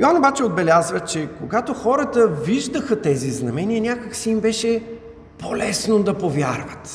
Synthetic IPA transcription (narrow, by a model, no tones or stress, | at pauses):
iɔnobat͡ʃɛod̪̚bɛlʲazvət͡ʃɛkoɡat̪oxɔɾət̪əviʒd̪əxət̪ɛziznɐmɛniənʲakəksiimbɛʃɛ | polɛsnod̪ɐpovʲjaɾvət̪